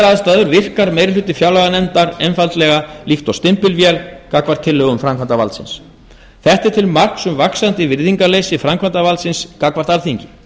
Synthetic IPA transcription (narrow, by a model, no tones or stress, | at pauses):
ɾaðst̪aːðʏɾvɪr̥kaɾmejɾɪlʏt̪ɪfjawlaɣanɛnt̪aɾɛnfalt̪lɛɣalixt̪ɔwst̪ɪmpɪlvjɛlkakvaɾ̥t̪ʰːɪlːœɣʏmfɾamkʰvant̪avalsɪ̰ns | θɛht̪ɪɾ̥t̪ʰɪlmar̥ksʏmvaksant̪ɪvɪɾðiŋkaleːjsɪfɾamkʰvant̪avalt̪sɪnskakvaɾ̥t̪aɾθiɲcɪ